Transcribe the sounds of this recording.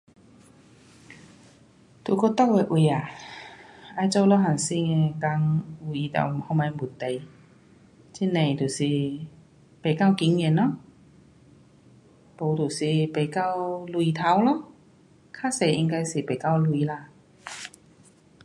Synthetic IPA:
t̪u˨˩ko˧t̪a˥˧˨we˧ʔwi˧a˨˩ | ʔa˧jt͡ɕo˧˦wlɔ˧˦ɦa˨˩nsi˥˧˩ŋe˧ka˧ŋu˧˩i˧t̪a̰˨˩˨hɔ˧˨mã˧˦bu˨˩nt̪e˨˩j | t͡ɕi˧˥nẽ˨˩t̪u˨˩si˨˩ | pe˨˩ka˥˧˨wki˧˦ŋɛ˧˨nɔ˧˦ | po˨˧˩t̪u˨˩si˨˩pe˨˩ka˥˧wlwi˧t̪ʰa˧˦wlɔ˧˥˦ | kʰa˦˥˨se˧˩˨ʔḭ˧ŋka˧jsi˨˩pe˨˩ka˥˧wlwi˧la˧˨

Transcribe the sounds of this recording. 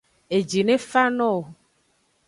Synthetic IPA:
e˨d͡ʒi˨nẽ˦fa˦nɔ̃˦o˨

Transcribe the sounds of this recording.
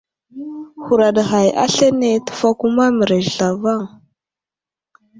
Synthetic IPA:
xu˨ɾa˨ɗɣa˨jʔa̰˦ɬe˦ne˨tə̥˨fa˦ku˦ma˦mə˨ɾe˨ʒɬa˨va˦˨ŋ

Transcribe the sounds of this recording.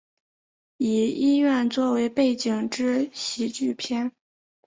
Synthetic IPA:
i˨˩i˥ɥɛ˥˧nt͡swɔ˥˩we˧˥ɪpe˥˩ɪt͡ɕi˨˩ŋʈ͡ʂɻ̩˥ɕi˧˥t͡ɕy˥˩pʰjɛ˥n

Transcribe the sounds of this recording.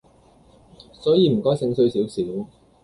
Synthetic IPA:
sɔː˨˥jiː˨˧m̩˨˩kɔː˥jsɪ˨˧˥ŋsɵ˧ɥsiː˨˥wsiː˨˥w

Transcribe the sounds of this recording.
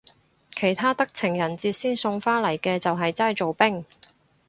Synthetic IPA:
kʰe˨˩jt̪ʰaː˥t̪ɐ˥k̚t͡sʰɪ˨˩ŋjɐ˨˩nt͡siː˧t̚siː˥nsʊ˧ŋfaː˥nlɐ˨˩jkɛː˧t͡sɐ˨wɦɐ˨jt͡saː˥jt͡so˨wpɪ˥ŋ

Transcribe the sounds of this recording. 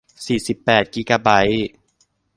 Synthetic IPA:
siː˨˩si˨˩pːɛː˨˩t̪̚kiː˦˥kaː˧ba˦˥j

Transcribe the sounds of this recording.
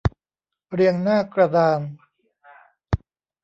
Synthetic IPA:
ɾi˧əŋnaː˥˩kɾa˧daː˧m

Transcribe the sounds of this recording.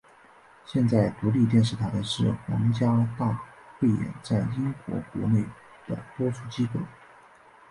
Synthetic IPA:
ɕjɛ˥˧nt͡sa˥˩ɪt̪u˧˥li˥˧t̪̬jɛ˥˧nʂɻ̩˥˩t̪ʰa˧ɪd̪ə˧ʂɻ̩˥˩xwɑ̰˧˥ŋt͡ɕja˥t̪a˥˧xwe˥˩ɪjɛ̰˨˧˥nt͡sa˥˩ɪi˥nkwɔ̰˧˥kwɔ̰˧˥ne˥˩ɪ | d̪̥ə̰˩t̪wɔ˥t͡sʰu˥˩t͡ɕi˥ko˥˩ʊ

